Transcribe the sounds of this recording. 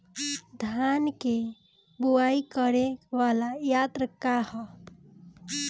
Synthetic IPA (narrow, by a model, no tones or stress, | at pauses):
d̪ʱanke | buwaikəɾeʋalajat̪ɾəkahə